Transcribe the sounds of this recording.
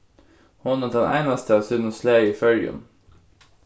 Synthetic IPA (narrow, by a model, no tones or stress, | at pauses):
hʊnəd̪ɛnʔæ̰ɪnɑst̪əɑːʋsʉd̪nəsleːifœljʉ̰m